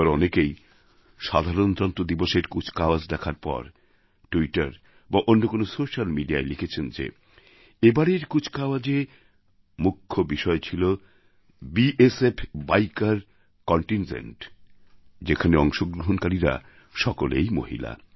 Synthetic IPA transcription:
aɾɔnekej | ʃad̪ʱaɾont̪ɾant̪ɾod̪iboʃeɾkut͡ɕʰkaoad͡ʑd̪ɛkʰaɾpɔ̰ɾ | ʈuiʈaɾ | baʔonːokonosoʃalmiɖiaelikʰet͡ɕʰend͡ʑḛ | ebaɽeɾkut͡ɕʰkaoad͡ʑe | mukʰːobiʃɔet͡ɕʰilo | biʔesepʰbajkaɾ | kɔɳʈind͡ʑḛɳʈ | d͡ʑekʰaneɔŋʃoɡɾoɦonkaɾiɾa̰ | ʃɔkolḛjmo̰ɦḭla̰

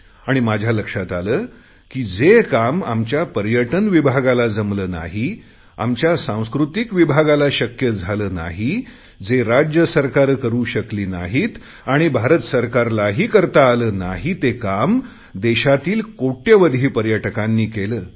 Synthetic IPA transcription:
aɽ̃imad͡ʑʱjaləkʂat̪aləː | kiːd͡zekama̰mt͡ɕjapəɾjəʈənʋibʱaɡalad͡zəmləːna̰ɦi | a̰mt͡ɕjasãw̃skɾut̪ikʋibʱaɡalaɕəkjəd͡zʱaləːna̰ɦi | d͡zeɾad͡ʑjəsəɾkaɾkəɾuːɕəkliːna̰ɦit̪ | aɽ̃ibʱaɾət̪səɾkaɾlaɦiːkəɾt̪aːləːnaɦit̪ekam | d̪eɕat̪iːlkoʈːjəʋəd̪ʱiːpəɾjəʈəkãnːiːkeləː

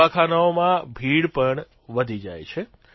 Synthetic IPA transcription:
akʰanaomãbʱiɽpəɳ | ʋəd̪ʱid͡ʒa̰jt͡ʃʰe

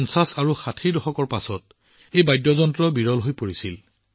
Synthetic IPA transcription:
nsasaɹuxatʰidɔxɔkɔɹpasɔt̚ | ejbajdjɔzɔntɹɔbiɹɔlɦojpoɹisil

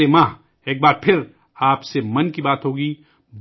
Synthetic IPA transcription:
emãː | eːk̚baːɾpʰɪɾ | aːpsemɐnkibaːt̪ɦoːɡiː | b

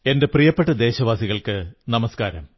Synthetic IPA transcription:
e̞nde̞prijɐpːeʈːɐd̪e̞ːɕɐʋaːsiɣɐɭkɨnɐmɐskaːɾɐ̰m

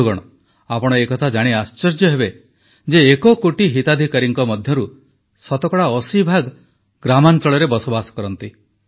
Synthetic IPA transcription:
ɡɔɽ̃ɔ | apɔɽ̃ɔekɔt̪ʰad͡ʒaɽ̃iast͡ʃɔɾd͡ʒjɔɦebe | d͡ʒeːkɔkoʈiɦit̪ad̪ʱikaɾiŋkɔmɔd̪ʱjɔɾu | sɔt̪ɔkɔɽaɔsibʱaɡ | ɡɾamant͡ʃɔɭɔɾebɔsobasɔ̥kɔɾɔnt̪i

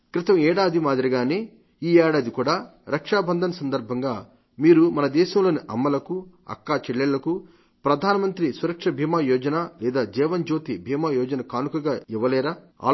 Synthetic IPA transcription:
kɾɪt̪ɐmɛːɽaːd̪ʱimaːd̪iɾiɡaːneː | iːɛːɽaːd̪ikuːɽaːɾɐkʂaːbɐnd̪ʱɐnɐsɐnd̪ɐɾbʱɐŋɡaː | miːɾumɐnɐd̪ɛːʃɐmlo̞ːniʔɐ̰mːɐlɐku | ɐ̰kːaːt͡ʃɛɭːɛlːɐku | pɾɐd̪ʱaːnɐmɐnt̪ɾisuɾɐkʂɐbʱiːmaːjɔːd͡ʒɐnaːlɛːd̪aːd͡ʒɛːʋɐnd͡ʒo̞ːt̪ibʱiːmaːjɔːd͡ʒɐnɐkaːnukɐɡaːiʋːɐlɛːɾaː | a̰ː

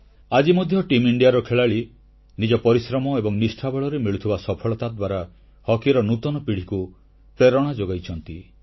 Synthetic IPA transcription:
ad͡ʒimɔd̪ʱjɔʈimiɳɖijaɾɔkʰeɭaɭi | nid͡ʒɔpɔɾisɾɔmɔebɔŋnisʈʰabɔɭɔɾemiɭut̪ʰibasɔpʰɔɭɔt̪ad̪waɾa | hɔkiɾɔnut̪ɔnɔpiɽ̤iku | pɾeɾɔɽ̃ad͡ʒoɡajt͡ʃʰɔnt̪i

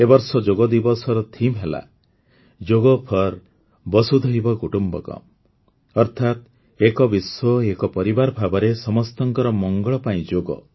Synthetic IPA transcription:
ebɔɾsɔd͡ʒoɡɔd̪ibɔsɔɾɔt̪ʰimɦela̰ | d͡ʒoɡɔpʰɔɾ | bɔsud̪ʱɔɦibɔkuʈumbɔ̰kɔ̰m | ɔɾt̪ʰat̪̚ | ekɔbiswɔekɔpɔɾibaɾbʱabɔɾesɔmɔst̪ɔŋkɔɾɔmɔŋɡɔɭɔpaĩd͡ʒoɡɔ̰

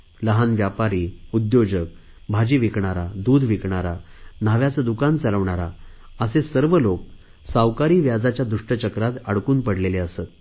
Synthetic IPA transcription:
ləɦanʋjapaɾiːud̪jod͡ʑək̚ | bʱad͡ʑiːʋikɳaɾad̪uːd̪ʱʋikɳaɾanaʋjat͡səd̪ukant͡saləʋɳaɾa | əsesəɾʋəlok̚ | sawkaɾiːʋjad͡zat͡ɕjad̪uʂʈət͡ɕəkɾat̪əɽkuːnpəɽleleəsət̪

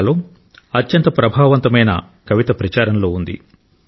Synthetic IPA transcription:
loː | ɐtjɐnt̪ɐpɾɐbʱaːʋɐnt̪ɐmɐjnɐ̰ | kɐʋit̪ɐpɾɐt͡ʃaːɾɐnlo̞ːund̪ḭ

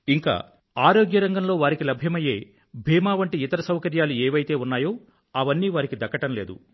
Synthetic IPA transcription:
iŋka̰ː | aːɾoːɡjɐɾɐŋɡɐmlo̞ːʋaːɾikilɐbʱjɐmɐje̞ː | bʱiːmaːʋɐɳʈiit̪ɐɾɐsɐwkɐɾjaːlueːʋɐjt̪e̞ːunːaːjo̞ː | ɐʋɐnːiːʋaːɾikid̪ɐkːɐʈɐmle̞ːd̪ṵ

